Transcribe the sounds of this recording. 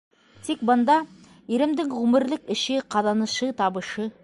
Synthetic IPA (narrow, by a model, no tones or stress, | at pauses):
t̪ik̚bɤ̆nd̪ɑ | iɾɘ̆md̪ɘŋʁʉmɘ̆ɾlɘkɘ̆ʃɘqɑðɑnɤ̆ʃɤt̪ɑβɤ̆ʃɤ